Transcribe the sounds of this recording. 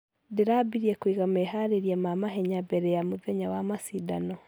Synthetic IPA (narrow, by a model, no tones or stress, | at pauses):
deɾabiɾiɛkwiɣamɛɦaɾeɾiamamaɦɛɲabɛɾɛjamoðɛɲawamasidanɔ